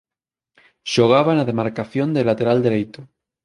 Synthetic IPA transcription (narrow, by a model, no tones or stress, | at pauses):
ʃoɣ̞aβanaðe̞maɾkaθjo̞nd̪elat̪e̞ɾald̪eɾejt̪o